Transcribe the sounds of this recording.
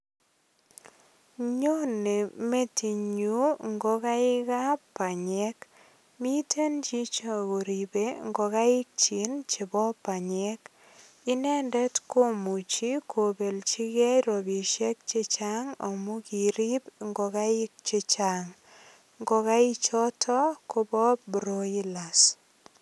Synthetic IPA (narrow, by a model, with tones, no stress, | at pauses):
ɲo˦ne˨me˦ti˨ɲu˦ŋɡo˦ka˦ɪ˦ka˦pa˨ɲɛ˦k | mi˦tʰe˦nt͡ʃi˦t͡ʃa˦˨ko˨ɾi˨be˦ŋɡo˨ka˦ɪ˦k̚t͡ʃi˨˦nt͡ʃɪ˨bɔ˦pa˨ɲɛ˦k | i˦nɛ˦ndɛ˦tko˦mu˨t͡ʃi˦kʰo˨be˨lt͡ʃi˦kɛ˦jɾo˨bi˨ʃɛ˦k̚t͡ʃi˦t͡ʃaŋa̰˨mu˦ki˨ɾi˦pŋɡɔ˨ka˦ɪ˦k̚t͡ʃi˦t͡ʃa˨ŋ | ŋɡɔ˨ka˦i˦t͡ʃɔ˦tʰɔ˦ko˦bɔ˦pbɾo˦i˦la˨s